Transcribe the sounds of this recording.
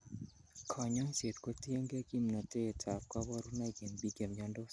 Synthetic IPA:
kʰɔ˨ɲɔ˦nse˨tko˦tje˦ŋɡe˦ɡi˦mnɔ˨te˦˨tʰa˨p̚kwa˦bɔ˦ɾu˦na˦ɡi˨nbi˦ɡe˨mɲa˦ndo˦s

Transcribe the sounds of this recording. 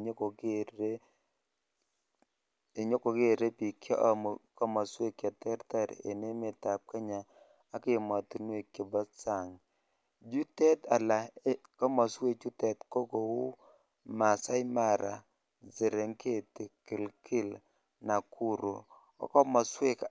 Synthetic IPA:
ɲo˦ko˨ke˦ɾe˦ | e˨ɲo˦ko˨ke˦˨ɾe˦pi˨kjɔ˦ʔm˨kɔ˦mɔ˨swe˦kja˨tɛ˦ɾta˦ɾḛ˨ne˦me˨ta˨p̚ka˦ɲaː˨˦ | kɪ˦˨ma˨tu˨nwe˦˨kjo˨bɔ˦sa˦˨ŋ | d͡ʒu˦tɛ˦ta˨la˨˦kɔ˦mɔ˨swe˦˨t͡ʃu˦tɛ˨tko˦ko˨wu˦ | ma˨sa˦jma˦˨ɾʔa˨ | zɪ˨ɾe˨ŋke˦˨tɪ˨kɪ˨lkɪ˦˨l | na˨kʰu˦ɾu˨ | ɔ̰˦kɔ˦mɔ˨swe˦k

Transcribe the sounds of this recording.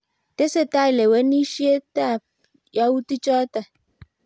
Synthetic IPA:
t̪e˦se˦t̪a˦i˨le˨we˨˦nĩ˦ʃi˦e˦t̪a˦˨ | ja˦wu˦t̪i˦t͡ʃɔ˦a˦t̪a˨

